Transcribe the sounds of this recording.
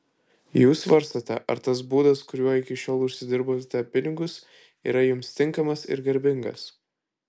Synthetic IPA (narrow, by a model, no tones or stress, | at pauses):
juːsʋɐɾst̪ɐt̪ʲɛʔɐ̰ɾt̪ɐs̬buːd̪ɐskʊɾʲuɔɪkʲɪʃʲoːlˠʊʃʲsʲɪd̪ʲɪɾbot̪ʲɛpʲɪnʲɪɡʊs | ḭːɾɐjʊmst̪ʲɪŋkɐmɐsɪ̰ɾɡɐɾʲbʲɪŋɡɐ̰s